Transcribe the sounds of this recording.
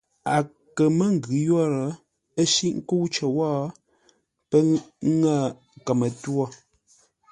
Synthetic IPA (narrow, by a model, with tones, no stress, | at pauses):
a˨ | kə˨mə˦ŋ˨ɡʉ˨jɔ˦ɾə˨˦ | ə˦ʃi˦ʔŋ˦ko˦wt͡ʃə˨wɔː˦ | pə˦ŋa˦˨ | kə˨mə˨twɔ˦